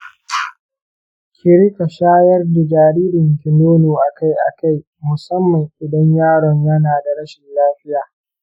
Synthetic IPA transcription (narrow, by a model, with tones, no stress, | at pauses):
kʲʰɪ˨ɾɪ˦ka˨ʃaː˦jɐ˦rda˨d͡ʒaː˨ɾiː˦ɾɪ˨ŋkʲɪ˨noː˦noː˨ʔa˨ka˦jʔa̰˨ka˦˨j | mʊ˨sɐ˦mːɐ˨ŋʔɪ˨dɐ˦ɲjaː˦ɽɔ˨ɲjɐ˦naː˨da˨ɽɐ˦ʃɪ˨nlaː˦ɸɪ˦jaː˨